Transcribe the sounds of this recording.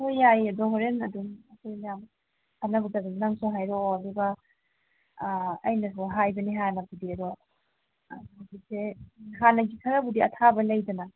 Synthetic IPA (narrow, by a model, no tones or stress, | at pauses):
hojajɐdɔɦoɾenɐdumɐkʰojmɐjam | hʰanɐbudaɡanaŋsoɦajɾɔlibɐ | ɐ̰jnɐs̬uɦajbɐniɦanɐbudiɐdɔ | ɡisʰeɦanɐɡikʰɐɾɐbudiɐ̰tʰabɐlɐjdɐnɐ